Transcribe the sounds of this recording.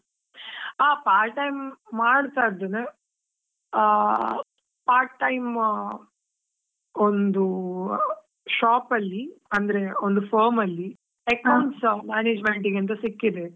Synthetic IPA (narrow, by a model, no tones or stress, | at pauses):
aːpaːɾʈːɐjmːaːɽt̪aid̪ːene | paːɾʈʈːɐjm | o̞nd̪u | ʃaːpɐlːiɐnd̪ɐɾe̞ond̪upʰoːɾmɐlːi | ekɐwɳʈsmaːneːd͡ʒmeɳʈiɡent̪̬ɐsikːid̪e̞